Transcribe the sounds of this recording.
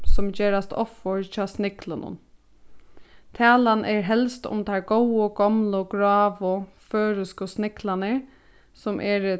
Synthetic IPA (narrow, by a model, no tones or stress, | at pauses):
sʊmd͡ʑeːɾast̪ʰɔ̰fɔɹt͡ʃɑːsnɪklənʊ̰n | t̪ʰæːlanʔɛɹɦɛlst̪ʊ̰mt̪ʰæɹɡɔwəɡɔmlʊɡɹɑːʋʊ | føːɾɪskəsnɪklanəɹ | sʊmʔɛɹ